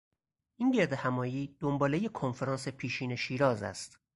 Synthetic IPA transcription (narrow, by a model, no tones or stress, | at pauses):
ʔinɟe̞ɾd̪e̞hæmɒːjiːd̪̥ombɒːle̞je̞kʰonfeɾɒːnse̞pʰiːʃiːne̞ʃiːɾɒːzæ̰st̪